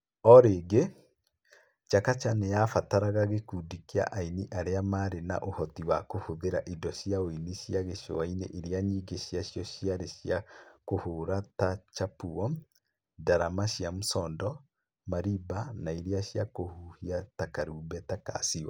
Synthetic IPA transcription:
ɔɾeɡe | t͡ʃakat͡ʃanejafataɾaɣaɣekudikia̰ʔainiʔaɾeamaɾena̰ʔohɔtiwakohoðeɾaʔidɔʃiaoiniʃiaɣeʃo̰wainḛʔeɾiaɲiːɡeɕiaʃjɔɕiaɾeʃjakohoːɾatat͡ʃapuɔm | daɾamaʃiamusɔːndɔ | maɾibanaiɾiaɕjakohuhiatakaɾuːbɛtaka̰siwa̰

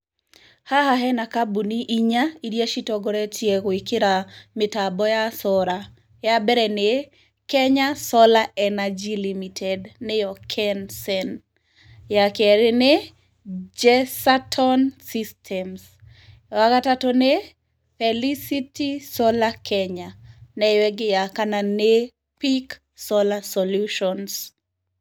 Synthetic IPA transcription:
haɦaɦɛnakabuniʔiɲaiɾjaʃitɔɡɔɾɛtʰjekwikɪɾamɪtabɔjasɔɾa | jabɛɾɛne | kɛɲasɔlaɛnad͡ʒilimitʰɛdnɪjɔkʰɛnsɛn | jakɛɾɪne | d͡ʒɛsatʰɔnsistʰɛms | wakatatɔne | fɛlisitisɔlakʰɛɲanɛwɛɡɪjakanane | pik | sɔlasɔluʃɔns

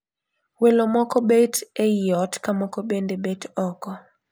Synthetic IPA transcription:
welomɔkɔbetejɔtkamɔkɔbendebetɔkɔ

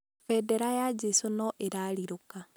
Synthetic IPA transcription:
fɛdɛɾajad͡ʒesonɔʔeɾaɾiɾoka

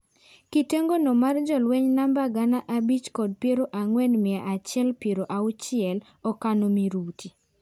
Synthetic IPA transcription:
kiteŋɡonomard͡ʒɔlwɛɲnambaɡanaʔabit͡ʃkɔd̚pjeɾoʔaŋwɛnmɪaʔat͡ʃɪɛlpeɾoʔaʊt͡ʃɪɛl | ɔkanomiɾutʰi

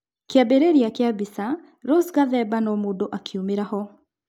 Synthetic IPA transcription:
keabeɾeɾiakeabisa | ɾosɣaðɛbanɔmoːndoʔakʰiumeɾahɔ

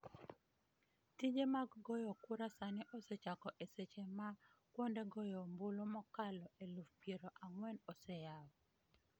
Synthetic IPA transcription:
tid͡ʒemaɡɡɔjɔkʊɾasanɪʔɔsɛt͡ʃakɔʔeset͡ʃema | kwɔndeɡɔjɔmbolomɔkalɔʔelufpjeɾoʔaŋwɛnɔsɛjawɔ

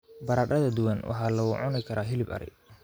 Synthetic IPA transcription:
bɐɾaːɗɐðɐd̪ʊwanwʔɑ̰ħɑːlɐwʊ̰ʕʊnɪkʰɐɾaːɦɪlɪbɐ̰ɾɪ̰

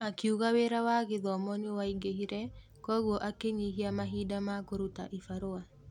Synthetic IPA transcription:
akiuɣaweɾawaɣɪðɔmɔnɪwaiɡehiɾɛ | kɔɣwɔʔakeɲiɦiamaɦidamakoɾuta̰ʔifaɾoa

